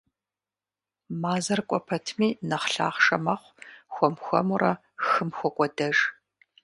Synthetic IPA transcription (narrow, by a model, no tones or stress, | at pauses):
maːzɐrkʷʼɔpʰɐtʰmiːnɐχɬa̰ːχʂɐmɐχʷxʷɔmxʷɔ̰murɐ | xɨmxʷɔkʷʼɔdɐʒ